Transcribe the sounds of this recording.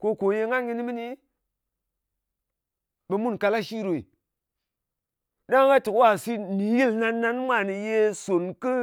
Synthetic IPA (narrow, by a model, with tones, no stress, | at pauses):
ko˦ko˨je˧ŋa˦nɡi˧ni˦mi˦ni˦ | ɓe˨mu˦nka˧la˦ʃi˦ɾo˨ḭ˨ | ɗa˦ŋ˦ɡa˦tɨ˨kwa˦˨si˦ni˨ji˦lna˧nːa˦nma˦˨ni˨je˦˧so˨nkɨ˦